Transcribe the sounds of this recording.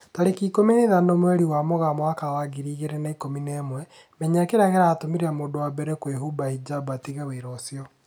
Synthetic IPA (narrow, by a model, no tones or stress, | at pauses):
taɾekiːkomineðanomwɛɾiwamoɣamɔakawaɡiɾiːɣeɾɛnaikominɛːmwɛ | mɛɲakeɾaɣɛɾaːtomiɾeamoːdowabɛɾɛkweɦubaid͡ʒabatiɣeweɾɔsiɔ